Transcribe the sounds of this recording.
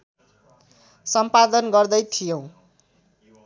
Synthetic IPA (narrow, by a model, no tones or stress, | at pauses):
sʌmpad̪ʌnɡʌrd̪ʌjt̪ʰijõw̃